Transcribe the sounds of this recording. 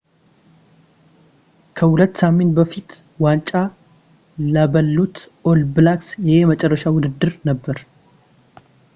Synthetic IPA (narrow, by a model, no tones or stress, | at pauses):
kʰəhulət̪ːsamːenbəfit̪ | want͡ʃʼːa | ləbəlːut̪ʔolbɨlaksjɛhemət͡ʃʼɛrːəʃawʊd̪ɨd̪ːɨɾnəbːəɾ